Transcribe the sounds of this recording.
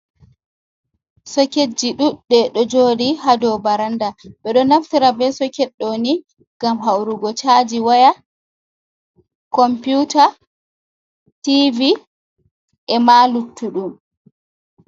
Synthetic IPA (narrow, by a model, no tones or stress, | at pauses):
sɔked͡ʒːiɗuɗːɛɗɔd͡ʒoːdiɦadɔbaɾandaɓɛɗɔnaftiɾabɛsɔkɛɗːoni | ɡ̥amɦawɾuɡɔt͡ʃad͡ʒiwaja | kɔmpjuta | tivi | ʔɛmalutːuɗum